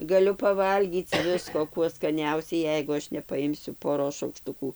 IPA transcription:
ɡɐˈlʲʊ pɐˈʋɐlʲɡʲiːt͡s ˈʋʲɪskoː ˈkuɔ skɐˈnʲɛʊsʲɛɪ ˈjɛɪɡʊ ˈɐʃ nʲɛpɐˈɪmʲsʲʊ poːˈroːs ʃɐʊkˈʃtʊkuː

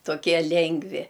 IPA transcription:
toːˈkʲiɛ ˈlʲɛŋɡʋʲɪ

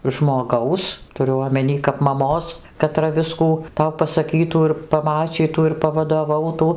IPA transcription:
ʒmoːˈɡɐʊs tʊˈrʲʊ oːmʲɛˈnʲiː kɐp mɐˈmoːs kɐˈtrɐ ˈʋʲɪskuː ˈtɐʊ pɐsɐˈkʲiːtuː ɪr pɐˈmɑːt͡ʃʲiːtuː ɪr pɐʋɐdoːˈʋɐʊtuː

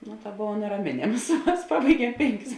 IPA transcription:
noː tɐ ˈboːʋɐ nʲɛrɐˈmʲeːnʲeːms ˈmɐs ˈpɑːbɐɪˌɡʲiɛm ˈpʲeːŋʲˌkʲɪs

